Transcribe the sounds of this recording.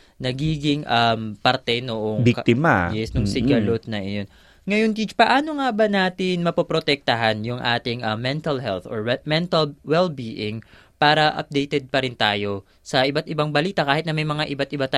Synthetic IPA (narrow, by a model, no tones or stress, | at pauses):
nɐɡiːɡɪŋʔɐmpɐɾt̪ɛnoʔoŋbkt̪ɪma̰jɛsnʊŋsɪɡɐlot̪̚nɐjon | ŋɐjont̪it͡ʃpɐʔaːno̞ŋabɐnaːt̪ɪnmɐpɐpɾot̪ɛk̚t̪ɐɦanjʊŋʔa̰ːt̪ɪŋʔɐmːɛnt̪ɐlɦɛlθoɹmɛnt̪ɐlwɛlbiʔɪŋ | paːɾɐʔɐ̰p̚d̪ejt̪ɛd̪̚pɐɾɪnt̪aːjo̞ | sɐʔɪbat̪̚ʔɪbaŋbɐliːt̪ɐkaːhɪt̪nɐmɐjmɐŋaʔɪbat̪̚ɪbat̪a